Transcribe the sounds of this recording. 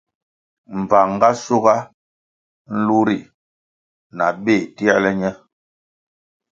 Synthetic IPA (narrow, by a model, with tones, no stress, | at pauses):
m̩˨va˨ŋ˦ɡa˦su˦ɣa˦ | n̩˦lu˦ɾi˨ | na˨ɓe˦˨ti˦a˦lɛ˦ɲɛ˦